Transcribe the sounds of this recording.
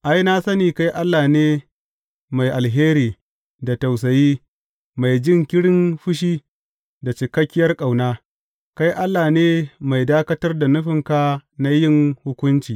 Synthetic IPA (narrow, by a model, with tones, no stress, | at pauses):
ʔa˦jna˦sɐ˦niː˨ka˦jʔa˦lːaː˨neː˦ | ma˨jʔa˨lɦeː˦ɾiː˨ | da˨ta˨ws̬ɐ˨jiː˦ | ma˨jd͡ʒɪ˦˨ŋkʲɪ˦ɽɪ˦nɸʊ˦ʃ̬iː˦ | da˨t͡ʃɪ˨kɐ˦kʲːɪ˦jɐ˦rkʼa˨wnaː˦ | ka˦jʔa˦lːaː˨neː˦ma˨jdaː˦kɐ˦tɐ˦rda˨nʊ˦ɸɪ˨ŋka˦na˦jɪ˦˨ŋhʊ˦kʷʊ˦nt͡ʃiː˨